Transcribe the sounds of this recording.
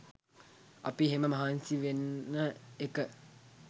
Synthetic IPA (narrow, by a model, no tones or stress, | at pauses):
a̰piɦeməmɐɦansiʋenːəekə